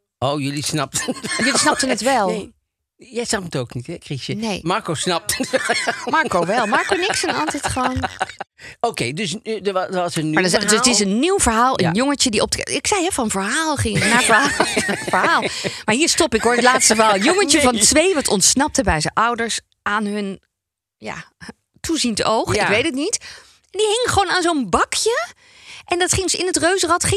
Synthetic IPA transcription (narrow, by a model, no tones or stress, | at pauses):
ʔowjølisnɑp̚tənjølisnɑp̚tənətʋɛlˠ | jɛjsnɑpətowknithɛkrixjəneːmɑɹkowsnɑp̚təmɑɹkowʋɛlˠmɑɹkonɪksənɑ̰lˠtitχəʋon | owkejdøsdədəʋɑsənaddstɪsənːiwv̥əɹɦaːlˠə̰njoŋət͡ʃədiʔɔp̚ɪksɛjɦɛfɔnənvəɹɦaːlˠχɪŋənaɹvəɹɦavəɹaːlˠmaːɹɦiːɹstɔpɪkɦʊːɹətlaːtstəvəɦalˠənjoŋət͡ʃəvɑntʋejʋɑtɔntsnɑp̚təbɛjzəʔʌwdəɹs | ʔaːnɦɵn | ja̰ | tuzintʔowχɪkʋejtətnit | ɛndiɦɪŋəχəʋoːnaːnzownbɑkʰjə | ʔɛndɑtχɪŋsɪnətrøɥzərɑtχɪ